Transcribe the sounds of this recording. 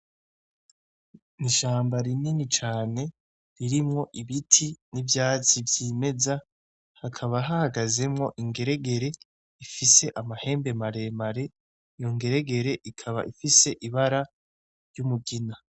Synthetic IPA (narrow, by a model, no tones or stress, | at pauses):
niʃaːmbaɾininit͡ʃaːne̞ | ɾiɾimŋo̞ʔiβitʰinivjaːt͡sivjime̞za | hakʰaβaɦahaɡaze̞mŋo̞ʔiŋɡe̞ɾe̞ɡe̞ɾe̞ | ifise̞ʔamahe̞ːmbe̞maɾe̞maɾe̞ | ijoŋɡe̞ɾe̞ɡe̞ɾe̞ʔikʰaβa̰ʔifise̞ʔiβaɾa | ɾjumuɡina